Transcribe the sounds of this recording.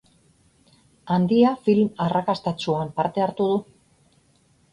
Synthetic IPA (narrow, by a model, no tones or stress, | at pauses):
and̪iafilmarakast̪at͡ʃuampaɾt̪e̞aɾt̪uðu